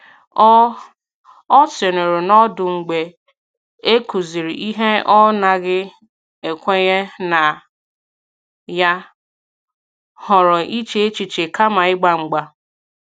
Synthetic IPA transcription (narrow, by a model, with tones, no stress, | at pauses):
ɔ˦se˨ne˨ɾe˨nɔ˦dʊ˨ŋ͡m̩˨ɡ͡be˨ | e˦ku˨zi˨ɾi˨ʔi˦ɦe˦ɔ˦na˨ɣɪ˦ | e˨kʷe˦ɲe˦na˨ | ja˦ | hʊ˨ɾɔ˨i˦t͡ʃe˦e˦t͡ʃi˨t͡ʃe˨ka˦ma˨ɪ˦ɡ͡ba˦ŋ͡m̩˨ɡ͡ba˦